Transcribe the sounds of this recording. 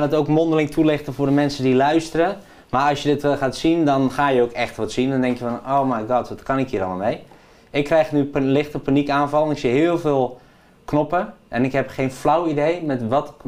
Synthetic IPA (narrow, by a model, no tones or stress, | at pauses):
anətowkmondəlɪŋtʰulɪxtəvʊːrdəmɛnsədilœɥstərə | marɔlsjədɪtʋɛlˠxaːtsindɔnxaːjəowkɛxtʋɔtsindɔndɛŋkjəfɔnowmajɡɑːtʋɔtkʰɑnɪkhiːɾɔ̰lmamej | ɪkːrɛjxnylɪxtəpanikaːnvɑlˠənɪksiɦɪəlˠvɪːlˠ | knopəʔɛnɪkɦɛpχeːnflawidejmɛtʋɔt